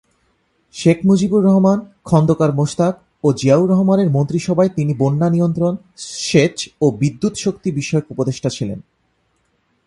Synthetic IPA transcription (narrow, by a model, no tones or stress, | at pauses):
ʃekʰmud͡ʑibuɾːɔɦmankʰɔnd̪okaɾmoʃt̪ak̚ | od͡ʑiauɾɔɦomaneɾmont̪ɾiʃɔbʱaet̪inibonːanijont̪ɾon | ʃet͡ɕobid̪ːut̪ʃok̚t̪ibiʃɔeokupod̪eʃʈat͡ɕʰilḛn